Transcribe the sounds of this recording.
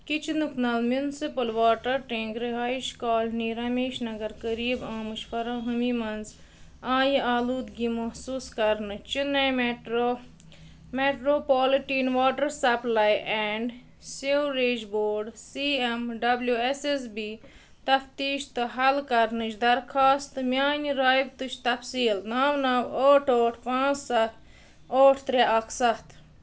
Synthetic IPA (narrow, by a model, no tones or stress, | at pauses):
kit͡ʃʰnuknɐlmjunsipɐlʋaːʈɐɾʈẽːŋɡɾeɦaːiʃkaːlniːɾɐmeːʃnɐɡɐɾkɐɾiːbãːmɨʃfɐɾãːɦɐmimɐnz | ãːjaːluːd̪ɡimɐɦsuːskɐɾnɨt͡ʃinɐ | meʈɾoːpaːliʈiːnʋaːʈɐɾsɐplajʔɛːɳɖ | siɾeːd͡ʒboːɾɖsiːemɖɐbljueses̬biː | t̪ɐft̪iːʃt̪ɨɦɐlkɐɾnɨt͡ʃd̪ɐɾkʰaːst̪mʲaːniɾaːjbt̪ut͡ʃʰt̪ɐfsiːlnaːʋnɐwoːʈʰoːʈʰpãːt͡ssɐt̪ | oːʈʰt̪ɾeʔɐkʰsɐt̪